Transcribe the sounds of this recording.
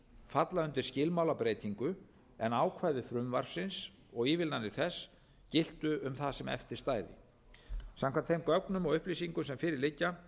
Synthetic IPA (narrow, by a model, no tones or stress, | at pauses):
fat̪laʏnt̪ɪɾ̥scɪlmawlapɾeːjt̪ʰiŋkʏ | ɛnaːwkʰvaːjðʏθɾʏmvaɾ̥sɪns | ɔɣiːvɪlnanɪɾ̥θɛs | cɪl̥t̪ʏʏmθaðsɛmɛ̰ft̪ɪɾ̥st̪aːjðɪ̰ | samkʰant̪θejmkœknʏmɔɣʏhplisiŋkʏmsɛmfɪːɾɪɾlɪcːa